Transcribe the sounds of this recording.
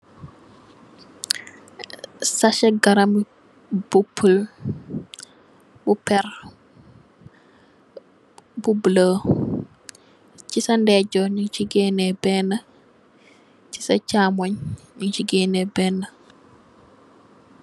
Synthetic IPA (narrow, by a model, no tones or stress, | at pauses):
sɐʃɛɡɐɾɐmi | b̥upʰːəl | bupɛr | bublə | cisɐndɛɟɔɲuŋciɡɛːnebɛnːɐ | ci̥sɐcaːmoɲ | ɲuŋciɡɛːnebɛːnːɐ